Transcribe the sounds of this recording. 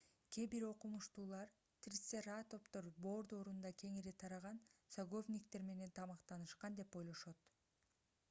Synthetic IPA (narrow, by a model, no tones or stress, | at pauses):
kʲebiɾo̞qumuʃt̪uːlˠɑɾ | t̪ɾʲit̪seɾat̪o̞pt̪o̞ɾbo̞ːɾd̪oɾund̪ɑkʲʰe̞ŋiɾit̪ʰɑɾɑʁɑnsoɡo̞vnʲikt̪e̞ɾme̞ne̞nt̪ʰɑmɑqt̪ɑnɯʃqɑnd̪e̞po̞jlˠo̞ʃot̪